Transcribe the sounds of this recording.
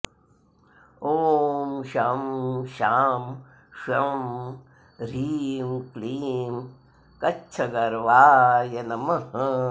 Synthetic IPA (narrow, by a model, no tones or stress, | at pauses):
oːmʃɐmʃaːm | ʃɐm | ɾiːmkliːm | kɐt͡ʃʰɐɡɐɾʋaːjɐnɐmɐɦɐ